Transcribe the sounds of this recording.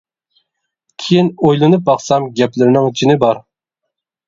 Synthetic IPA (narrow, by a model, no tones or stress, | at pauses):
kʲʰejinojlˠɨnɨp̚bɑχsɑmɡʲɛplɪɾnɪŋyt͡ʃʰinɪbɑɾ